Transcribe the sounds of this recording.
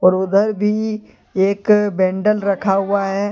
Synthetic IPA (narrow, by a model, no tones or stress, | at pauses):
ɔːɾʊd̪əɾbʱi | eːkbɛ̃ːɳɖəlɾɐkʰaɦʊaɦɛː